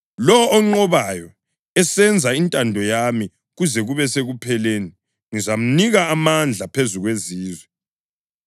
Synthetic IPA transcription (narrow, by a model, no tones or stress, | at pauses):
lɔːŋ͡ǃɔβajɔ | ɛsɛnd͡zʱaintʼandʱɔjami | ɣuzɛɣuβɛseɣupʰɛleːni | ŋizam̩niɣaːmand͡ɮʱapʰezuɣweziːzwɛ